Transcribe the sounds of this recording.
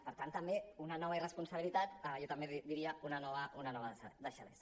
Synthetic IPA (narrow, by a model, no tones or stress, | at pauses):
pəɾt̪ant̪əmbeunanɔβɐirəspunsəβilit̪at̪ajɔt̪əmbed̪iɾiəunanɔβəunanɔβəð̰d̪əʃa̰ɾes